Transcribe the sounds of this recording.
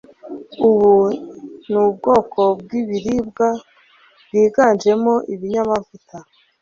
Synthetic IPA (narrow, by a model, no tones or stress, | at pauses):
uβu | nub̚ɡo̞ːkʰo̞b̚ɡiβiɾib̚ɡa | b̥̚ɡiːɡand͡ʒe̞mo̞ʔiβiɲamavuta